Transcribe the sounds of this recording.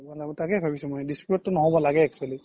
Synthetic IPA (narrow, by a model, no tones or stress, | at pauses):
balabɔtakɛbʱabisɛmɔjdispiɔtːʊnɔɦɔbɔlaɡɛɛk̚suali